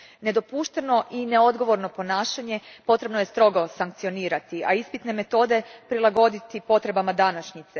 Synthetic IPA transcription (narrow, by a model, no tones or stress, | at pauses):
ne̞d̪o̞puːʃt̪e̞no̞ʔineo̞d̪ɡo̞ʋo̞ɾno̞po̞naːʃaɲe̞po̞t̪ɾe̞bno̞je̞st̪ɾo̞ɡo̞saŋk̚t̪sijo̞niːɾat̪ia̰ispit̪ne̞me̞t̪o̞ːd̪e̞pɾilˠaɡo̞d̪it̪ipo̞t̪ɾe̞bamad̪anaʃɲit̪se